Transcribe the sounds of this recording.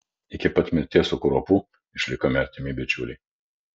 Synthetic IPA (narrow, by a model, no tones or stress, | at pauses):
ɪkʲɪpɐt̪ʲmʲɪɾʲt̪ʲeɛsʊkʊɾoːpuː | ɪʃʲlʲɪkomʲɛɾʲt̪ʲɪmʲiːbʲɪt͡ʃʲuːlʲɛɪ